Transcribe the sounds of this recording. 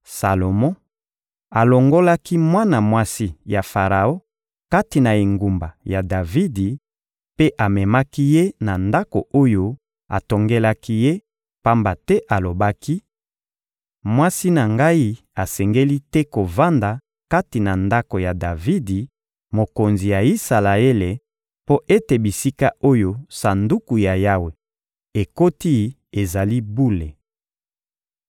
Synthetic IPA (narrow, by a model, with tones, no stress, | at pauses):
sa˨lo˨mɔ̃˦ | a˨lo˨ŋɡo˦la˦ki˦mwa˦na˨mwa˦si˦ja˨fa˨ʁa˨o˦ | ka˦ti˨na˨e˨ŋɡu˨mba˨ja˨da˨vi˦di˨ | pe˦ʔa˨mɛ˨ma˦ki˦je˦na˨nda˦ko̰˨o˦jo˦ | a̰˨to˨ŋɡe˦la˦ki˦je˦ | pa˦mba˨tɛ˦ʔa˨lo˨ba˦ki˦ | mwa˦si˦na˨ŋɡa˦i˦ | a˨sɛ˨ŋɡe˦li˦tɛ˦ko˨va˦nda˨ | ka˦ti˨na˨nda˦ko˨ja˨da˨vi˦di˨ | mo˨ko˨nzi˨ja˨i˦sa˨la˨e˦le˨ | po˦ʔe˦te˨bi˨si˦ka˦o˦jo˦sa˨ndu˦ku˨ja˨ja˦we˨ | e˨ko˦ti˦˨ | e˨za˨li˦bu˦le˨